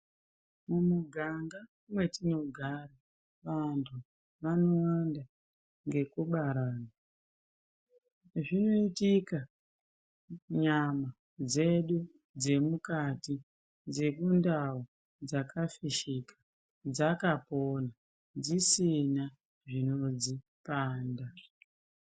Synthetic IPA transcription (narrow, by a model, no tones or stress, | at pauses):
mumuɡʱaŋɡa | mwe̞tino̞ɡʱara | ʋantʰu | ʋano̞wanda | ŋɡe̞kuɓaɾaːna | ʐino̞itika | ɲama | d͡ze̞ɗu | d͡ze̞mukati | d͡ze̞kundawo | d͡zakafiʃikḁ | d͡zakapo̞na | d͡zisina | ʐino̞d͡zi | paːnda